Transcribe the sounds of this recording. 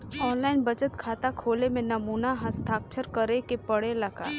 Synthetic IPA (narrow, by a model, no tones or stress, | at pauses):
ɔːnlaːɪnbɐt͡ʃət̪kʰaːt̪akʰoːlemẽnɐmuːnaɦɐst̪ʰaːkt͡ʃʰəɾkɐɾekepɐɽelɐɡa̰ː